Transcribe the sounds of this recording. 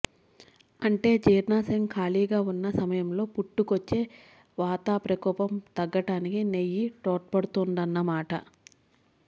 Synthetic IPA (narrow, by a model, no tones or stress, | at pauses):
ɐɳʈe̞ːd͡ʒiːɾnaːseŋkʰaːliːɡaːunːɐsɐmɐjɐmlo̞ːpuʈːukot͡ʃːe̞ː | ʋaːt̪aːpɾɐkɔːpɐmt̪ɐɡːɐʈaːnikinejːiʈoːʈ̚pɐɽut̪und̪ɐnːɐmaːʈɐ̰